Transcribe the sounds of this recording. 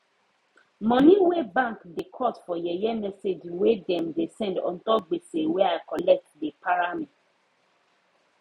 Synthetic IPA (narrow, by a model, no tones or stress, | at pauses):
mɔ̃nĩwebãŋkdekʰɔtfɔjɛjɛmɛsed͡ʒwedɛ̃mdesɛ̃ndɔ̰̃ntɔp̚ɡ͡beseweaɪkɔlɛk̚t̚depʰaɹamit